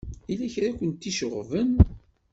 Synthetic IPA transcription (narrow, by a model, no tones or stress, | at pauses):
ilæçɾakʷənt̪ːiʃəʁvən